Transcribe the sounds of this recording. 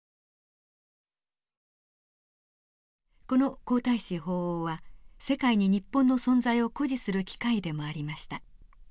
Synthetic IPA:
ko̞no̞ko̞ːt̪aiɕiɦo̞ːoːβase̞kaiɲ̟iɲ̟ipːõ̞nːo̞sõ̞nzaio̞ko̞ʑisɨɾɯ̟kʲi̥kaid̪e̞mo̞aɾʲimaɕi̥t̪a

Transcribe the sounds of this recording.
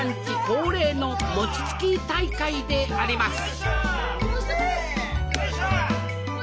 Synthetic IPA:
ɲ̟t͡ɕiko̞ːɾe̞ːno̞mo̞t͡ɕi̥t͡sɨ̥kʲit̪aikaid̪e̞aɾʲimasɨ̥

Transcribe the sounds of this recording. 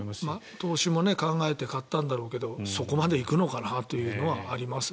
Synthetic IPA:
mat̪o̞ːɕimo̞ne̞kãŋɡae̞t̪e̞kat̪ːãnd̪aɾo̞ːke̞d̪o̞so̞ko̞mad̪e̞ikɯ̟no̞kanat̪o̞jɯ̟ːno̞βaːɾʲimasɨ̥

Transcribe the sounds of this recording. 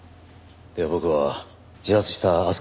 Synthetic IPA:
d̪̥e̞abo̞kɯ̟βa | d͡ʑizat͡sɨ̥ɕi̥t̪aːsɨ̥

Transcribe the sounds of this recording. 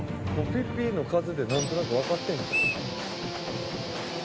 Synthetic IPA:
kopʲipʲːiːno̞kazɨd̪enãnt̪o̞nakɯ̟βakat̪ːẽ̞ŋka

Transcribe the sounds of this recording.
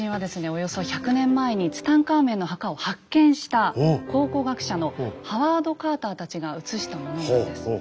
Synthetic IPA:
ĩɰ̃ad̪e̞sɨne̞o̞jo̞so̞çakɯ̟nẽ̞mːae̞ɲ̟it͡sɨ̥t̪ãŋkaːmẽ̞nːo̞ɦakao̞hakːẽ̞ɰ̃ɕi̥t̪ako̞ːko̞ːɡakɯ̟̥ɕano̞haβaːd̪o̞kaːt̪aːt̪at͡ɕiɡaɯ̟t͡sɨɕi̥t̪amonood̪esɨ̥

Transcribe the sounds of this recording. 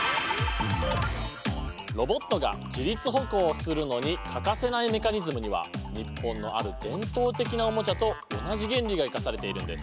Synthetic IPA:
ɾo̞bo̞t̪ːo̞ɡa̰d͡ʑiɾʲit͡sɨɦo̞ko̞ːsɨɾɯ̟no̞ɲ̟ikʰakase̞naime̞kaɲ̟izɨmɯ̟ɲ̟iβa̰ɲ̟ipːõ̞nːo̞̰ʔa̰ɾɯ̟d̪̥ẽ̞nt̪o̞ːt̪e̞kʲinao̞mo̞t͡ɕat̪o̞ːnaʑiɡẽ̞nɾʲiɡaikasaɾe̞t̪e̞iɾɯ̟̃nd̪e̞sɨ̥

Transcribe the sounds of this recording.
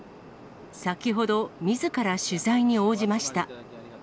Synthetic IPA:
sakʲiɦo̞d̪o̞mʲizɨkaɾaɕɨzaiɲ̟io̞ːʑimaɕi̥t̪a

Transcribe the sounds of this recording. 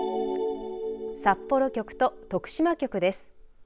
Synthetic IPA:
sapːo̞ɾo̞kʲo̞kɯ̟̥t̪o̞t̪o̞kɯ̟̥ɕimakʲo̞kɯ̟d̪e̞sɨ̥

